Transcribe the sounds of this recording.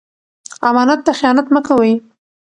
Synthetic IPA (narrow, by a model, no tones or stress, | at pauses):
amɑnat̪ːaxjɑnat̪məkawəj